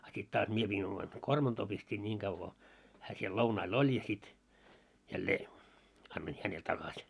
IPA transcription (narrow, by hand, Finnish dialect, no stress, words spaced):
ɑ sit tɑːs mie piːn omɑn kormɑntoː pistiːn nʲiŋ ɡ̊ɑʋ ko hæː siel lounɑil olʲ jɑ sit jælːeː ɑnːoin hænel tɑkɑsʲ